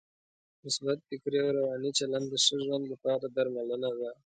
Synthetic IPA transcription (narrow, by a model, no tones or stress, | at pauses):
nɪsbat̪̚fɪkɾeawɾawɑnit͡ʃaland̪d̪əʂəʒwand̪lapɑɾad̪aɾmalənaða